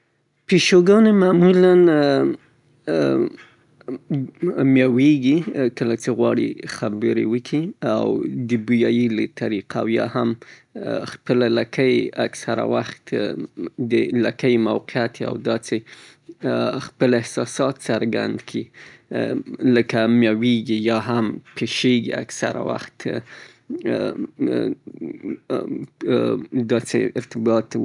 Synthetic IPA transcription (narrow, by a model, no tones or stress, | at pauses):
peʃoɡɑnemaːmulan | mjɑweɡikəlat͡seɣwɑɽḭxabəɾḛwəkʰia̰wd̪əbujɑjilat̪ʰaɾiqʰa̰wjɑ̰ham | xpəlalakʰajaksaɾa̰waxt̪ | d̪əlakəjmawqɪat̪a̰wd̪ɑt͡se | xpəlɪhsɑsɑt̪saɾɡa̰nd̪kʰi | ləkamjɑweɡijɑɦampʰeʃeɡḭa̰ksa̰ɾa̰wa̰xt̪ | d̪ɑt͡sḛɪ̰ɾt̪ɪbɑt̪